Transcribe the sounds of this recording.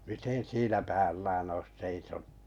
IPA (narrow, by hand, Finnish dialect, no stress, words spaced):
miten siːnæ pæːlːæːn ois seisonu